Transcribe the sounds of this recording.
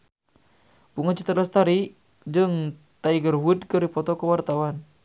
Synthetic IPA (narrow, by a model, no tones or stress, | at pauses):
puŋat͡ʃit̪əɾlast̪aɾi | d͡ʒɨŋ | t̪aiɡərwudkɨrdipɔt̪ɔkəwart̪awan